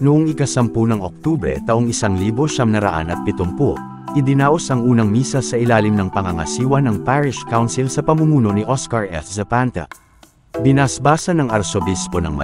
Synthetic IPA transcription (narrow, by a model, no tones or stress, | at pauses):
nʊʔoŋɪkɐsɐmpunɐŋok̚t̪ubɾɛ̰t̪ɐʔoŋɪsaŋliːbo̞ʃɐmnɐɾɐ̰ʔa̰nɐt̪̚pɪt̪ompo | ʔɪd̪ɪnaːʔo̞sɐŋʔuːnɐŋmiːsɐsɐʔɪlaːlɪmnɐŋpɐŋɐŋɐ̰siːwɐnɐŋpaɹɪʃkawnsilsɐpɐmumuːno̞niʔoskɐɹʔɛ̰ssɛpant̪ɐ̰ | bɪnɐsbaːsɐnɐŋɐɾsobispo̞nɐ̰ŋmɐ̰